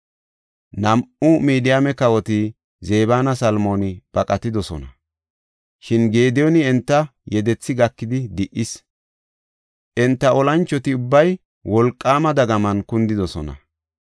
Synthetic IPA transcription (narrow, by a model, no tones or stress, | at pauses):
nɐmʔʊmiːd̪ɪjamɛkɐwɔt̪ɪ | zeːbaːnɐsɐlmoːnɪb̥ɐkʼɐt̪ɪd̪ɔsɔ̰nɐ | ʃɪnɡe̞ːd̪ɪjɔnɪɛnt̪ːɐjɛd̪ɛt͡sːɪɡɐkːɪd̪ɪd̪ɪʔɪs | ʔɛnt̪ːɐɔlɐnt͡ʃːɔt̪ɪʊbːɐj | wɔlkʼːaːmɐd̪ɐɡɐmɐnkʊnd̪ɪd̪ɔsɔ̰nɐ̰